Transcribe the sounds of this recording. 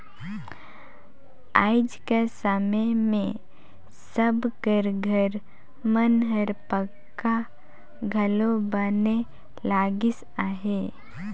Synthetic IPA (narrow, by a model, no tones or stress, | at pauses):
a̰ːɪd͡ʒkesamemẽ | səbkəɾɡʱəɾ | mənɦəɾpəkkːa | ɡʱɐlobaːne | laːɡɪs | aːɦeː